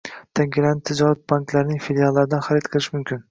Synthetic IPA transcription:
t̪ʰaŋɡʲɪlanɪt̪ʰːɪd͡ʒɒɾat̪̚baŋklaɾnɪŋfilʲjalˠːaɾɪd̪anχaɾɪt̪qʰɨlˠɪʃmʊmkʲʰɪn

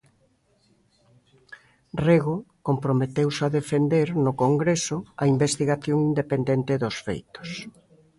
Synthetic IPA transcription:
reɣokompɾomet̪ewsaðefend̪eɾnʊkoŋɡɾesʊɐimbest̪iɣaθjoŋind̪epend̪ent̪ɪðʊsfḛjt̪o̥s

